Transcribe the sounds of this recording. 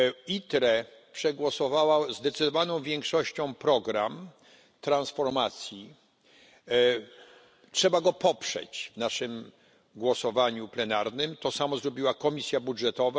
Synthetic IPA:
it̪ɾɛpʂɛɡwɔsɔvawazd̪ɛt̪sɘd̪ɔvanɔ̃w̃vʲjɛŋkʂɔɕt͡ɕɔ̃w̃pɾɔɡɾam | t̪ɾãnsfɔɾmat̪sʲji | tʂɛbaɡɔpɔpʂɛ̰t͡ɕvnaʂɘm | ɡwɔsɔvaɲuplɛnaɾnɘmt̪ɔsamɔzɾɔbʲiwakɔmʲisʲjabudʐɛt̪ɔva

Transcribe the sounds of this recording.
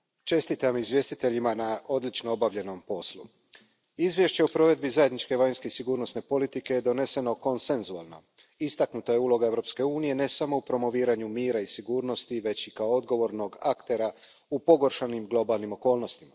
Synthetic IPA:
t͡ʃe̞st̪it̪amizʋje̞st̪it̪eʎimanao̞d̪lit͡ʃnoobaʋʎe̞no̞mpo̞slṵ | izʋje̞ʃt͡ɕe̞opɾo̞ʋe̞d̪̚bizaje̞d̪nit͡ʃke̞ʋajnske̞isiɡuːɾno̞sne̞po̞lit̪ike̞jed̪o̞ne̞se̞no̞ko̞nse̞nzua̰lˠno̞̰ | ist̪aknut̪oje̞uːlˠo̞ɡae̞ʋɾo̞pske̞uːnije̞ne̞samo̞upɾo̞mo̞ʋiːɾaɲumiːɾaisiɡuːɾno̞st̪iʋe̞t͡ɕikaood̪ɡo̞ʋo̞ɾno̞ɡakt̪e̞ɾa | upo̞ɡo̞ɾʃanimɡlˠo̞balˠnimo̞ko̞ːlno̞st̪ima

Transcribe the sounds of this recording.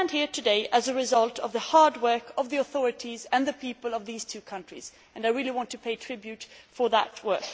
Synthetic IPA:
nd̥̚hiɹtʰɨdeɪʔɨzɨɹɨzʌlˠtʰʌvðəhɑɹd̚wɜ˞kʰʌvðiəθɔɹɨɾizɨ̃nðɨpʰipəlˠʌvðiz̥tʰʉkʰʌ̃nt͡ʃɹ̥ḭz | ɨ̃naɪɹɪlˠiwɑ̃ntʰɨpʰeɪtʰɹ̥ɪbjʉtfə˞ðə̰t̚wɜ̰˞k

